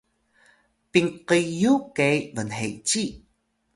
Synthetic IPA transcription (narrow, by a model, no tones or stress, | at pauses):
piŋqəjukejvənɦejt͡ɕi